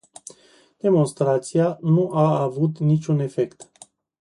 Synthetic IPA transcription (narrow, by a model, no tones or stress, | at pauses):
d̪̥e̞mo̞nst̪ɾat̪sianuʔaːvut̪nit͡ʃʲune̞fe̞kt̪